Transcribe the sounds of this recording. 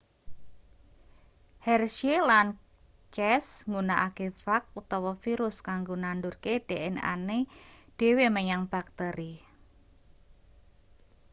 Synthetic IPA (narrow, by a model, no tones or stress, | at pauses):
hɛrʃielan | t͡ʃɛsŋunaʔakefak̚ut̪ɔwɔfiɾʊskaŋɡonandʊrked̥eɛna̰ned̥e̤weməɲaŋb̥ak̚t̪əɾi